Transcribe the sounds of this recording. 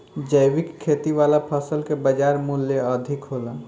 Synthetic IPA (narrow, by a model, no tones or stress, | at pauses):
d͡ʒəɪwɪkʰːeːt̪iʋaːlapʰəsəlkebəd͡ʒaːɾmʊljeəd̪ʱɪkɦoːlaː